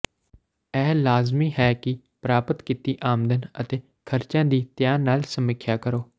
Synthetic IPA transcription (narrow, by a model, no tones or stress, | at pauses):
ɛːlaːzmiːɦɛːkɪ | pɾaːpət̪kɪt̪iːʔaːmd̪ənə̰t̪eː | kʰəɾt͡ʃãːd̪iːt̪jaːnaːlsəmɪkʰːjaːkəɾoː